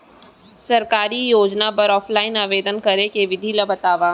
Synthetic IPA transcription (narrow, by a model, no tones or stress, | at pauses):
sɐɾkaːɾijoːd͡ʒnapɐɾɔːfʰlaːɪnaːʋeːd̪ənkɐɾekeʋɪd̪ʱilɐbɐt̪aːʋaː